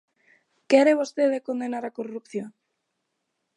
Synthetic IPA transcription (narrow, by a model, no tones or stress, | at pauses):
keaɾeβost̪eðekond̪enaɾakorupθjoŋ